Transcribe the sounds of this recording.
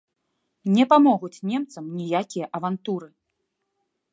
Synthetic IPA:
nʲɛpamɔɣut͡sʲnʲɛmt̪sɐmnʲijakʲijɐʔɐvant̪uɾɨ

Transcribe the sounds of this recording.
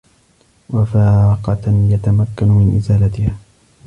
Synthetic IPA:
wafaːqɑjat̪amakːanmɪnʔɪ̰zaːlat̪ɪhaː

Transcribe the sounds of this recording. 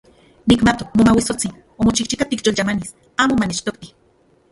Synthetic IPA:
nikmat̪okmomawisot͡sin | omot͡ʃiht͡ʃikat̪ikjolt͡ʃamanis | aːmomanet͡ʃt̪okt̪i

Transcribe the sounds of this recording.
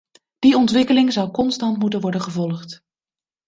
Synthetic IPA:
d̥iɔntʋɪkəlɪŋzʌwkɔnstɑntmutənʋɔɹdənχəvɔlˠχt

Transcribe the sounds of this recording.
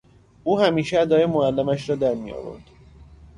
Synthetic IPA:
ʔuːhæmiːʃeæd̪ɒːjemoælːæmæʃɾɒːd̪æɾmijɒ̰ːvo̰ɾd̪̥

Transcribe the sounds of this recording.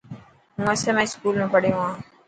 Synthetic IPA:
ɦũːəsẽːmɛ̃ːɪskuːlmẽːpəɽeõːɦãː

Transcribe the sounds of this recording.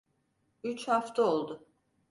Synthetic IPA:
yt͡ʃʰhaft̪ʰaolˠd̪ʊ

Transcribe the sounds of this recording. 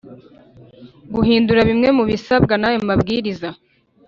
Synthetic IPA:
ɡuɦiːnduɾaβimŋe̞muβisabɡanajo̞mabɡiːɾiza

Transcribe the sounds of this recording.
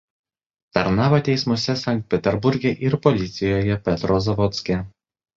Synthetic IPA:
t̪ɐɾnɑːʋot̪ʲɛɪsmʊsʲɛsʲɐŋʲk̚t̪̚ʲpʲɛt̪ʲɛɾbʊɾʲɡʲɛʔɪɾpɔlʲɪt̪sʲɪjoːjɛpʲɛt̪ɾɔzɐʋɔt̪sʲkʲɛ

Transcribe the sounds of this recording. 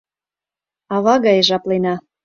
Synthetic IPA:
ɑβɑɣɑjəʒɑplenɑ

